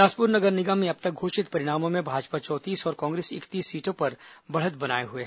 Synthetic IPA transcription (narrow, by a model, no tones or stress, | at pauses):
aːspʊɾnɐɡəɾnɪɡamẽɐb̚t̪ɐk̚ɡʱoːʃɪt̪pɐɾɪɽaːmõmẽbʱaːd͡ʒpat͡ʃɔːt̪iːsɔːɾkɔ̃ːŋɡɾeːsɪ̰kt̪iːsːiːʈõpɐɾbɐɽ̤ət̪bɐna̰ːeɦʊeɦɛ